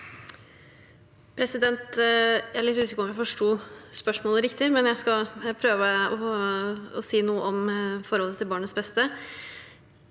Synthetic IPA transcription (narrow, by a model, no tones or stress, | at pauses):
pʰɾɛsɪd̪ɛnt̪æɭɪt̪hʉːsɪkɔmjæɪfɔʂʈuːspœʂmoːləɾɪkt̪ɪmɛnjæɪskɑpʰɾøːʋəɔ | ɔsiːnuːəʔɔmfɔɾhɔlːət̪ʰɪlbɑːɳət̪sbɛst̪ə